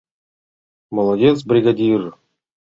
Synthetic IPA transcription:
molˠodʲet͡s̬brʲiɡadʲir

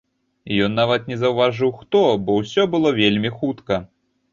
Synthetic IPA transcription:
ijɔnːavɐt̪nʲɛzɐwvaʐɨwxt̪ɔbɔwsʲɔbɨlˠɔvʲelʲmʲixut̪kɐ

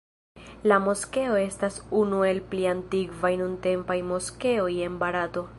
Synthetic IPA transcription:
lamo̞ske̞o̞e̞stasunue̞lpliantiɡvajnunte̞mpajmo̞ske̞oje̞nbaɾato̞

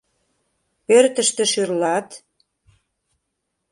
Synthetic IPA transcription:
pørt̪ə̆ʃt̪ĕʃyrlɑt̪

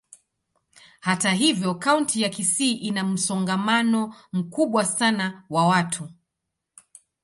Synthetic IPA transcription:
hataɦivjɔkauntijakisiːʔinam̩sɔŋɡamanɔm̩kuɓwasanawawatʰu

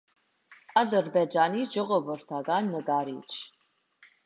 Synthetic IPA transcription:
ɑd̪əɾbɛd͡ʒɑniʒɔʁɔvəɾt̪ʰɑɡɑnːəɡɑɾit͡ʃʰ

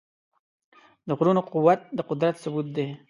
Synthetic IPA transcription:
d̪əɣɾunoqʊwat̪̚d̪əqʊd̪ɾat̪sʊbut̪̚d̪e

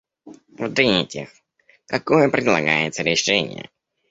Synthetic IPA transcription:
vd̪ɾʲinʲɪtʲɪx | kɐkojəpɾʲɪd̪lˠɐɡajɪt̪səɾʲɪʂɛnʲɪ̰jə̰

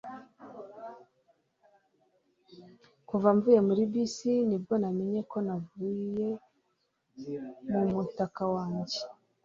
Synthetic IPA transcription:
kuvaɱvuːje̞muɾibisinib̚ɡo̞name̞ɲe̞ko̞navuje̞ | mumutakawaːɲɟe̞

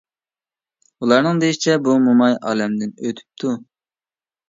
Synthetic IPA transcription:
ulˠɑɾnɨŋd̪ejit͡ʃʰɛbumumɑjɑ̰ːlɛmd̪ɪnøt̪ʰy̥p̚t̪ʰu

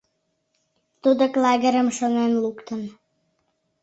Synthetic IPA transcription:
t̪ud̪ŏklɑɣə̆ɾə̆mʃŏnenlukt̪ə̆n

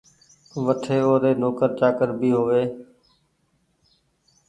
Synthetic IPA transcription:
ʋəʈʰeːoːɾeːnoːkəɾt͡ʃaːkəɾbiːɦoːʋeː

